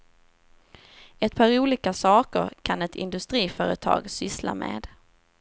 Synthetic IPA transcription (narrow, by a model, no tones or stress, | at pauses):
ɛt̪̚pʰɑːɾuːliːkasɑːkəɾkʰanɛt̪ʰɪ̰nd̪ɵst̪ɾiːfœːɾət̪ʰɑ̰ːɡsʏsla̰mḛːd̪̥